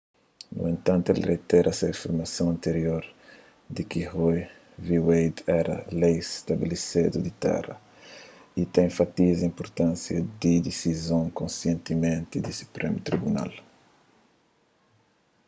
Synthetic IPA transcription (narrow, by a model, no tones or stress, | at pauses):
nṵẽnt̪ãnt̪uɛlret̪ɛɾɐsefiɾmɐsõw̃ɐ̃nt̪eɾjoɾ | d̪ikihoj | viwejd̪ɛɾɐ̰lejst̪abilised̪ud̪it̪ɛ̰rɐ̰ | it̪ɛ̃j̃fat̪izɐĩmpoɾt̪ãnsjɐd̪id̪isizõŋkõnsjẽnt̪imẽnt̪id̪isu̥pɾemut̪ɾibuna̰l